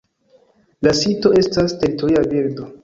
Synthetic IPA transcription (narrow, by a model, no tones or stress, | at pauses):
lasito̞e̞staste̞ɾitoɾiabiɾdo̞